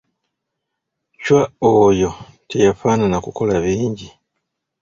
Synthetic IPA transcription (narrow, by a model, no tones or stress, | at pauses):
cwaojo̞ | tejafaːnanakuko̞laβiːɲɟi